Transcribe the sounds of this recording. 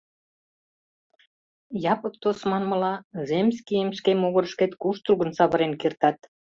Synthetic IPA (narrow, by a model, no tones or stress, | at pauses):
jɑpək̚t̪osmɑnməlɑzemsʲkijəmʃkemoɣə̆ɾəʃket̪kuʃt̪ruɣənsɑβəɾenkert̪ɑt̪̚